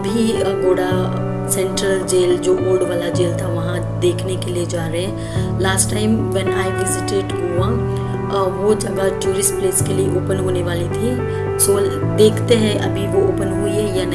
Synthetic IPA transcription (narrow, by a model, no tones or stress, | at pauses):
ɐbʱiɡoːɽa | sɛ̃ɳʈɾəld͡ʒeːld͡ʒoːboːɾɖʋaːlad͡ʒeːlt̪ʰaʋɐɦã | d̪eːkʰnekelied͡ʒaːɾəɦɛ̃ | laːsʈːaːɪmʋɛ̃naːɪʋɪzɪʈeɖɦuã | ʋod͡ʒɐɡad͡ʒuːɾɪspleːskelieoːpənɦoːneʋaːlit̪ʰi | so | d̪eːkʰt̪eɦɛ̃ʔɐ̰bʱiʋooːpənɦuiɦɛjanɐ